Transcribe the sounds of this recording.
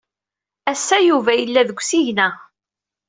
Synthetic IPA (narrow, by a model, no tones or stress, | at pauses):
æsːæjuvæjəlːæðəɡʷsiʝnæ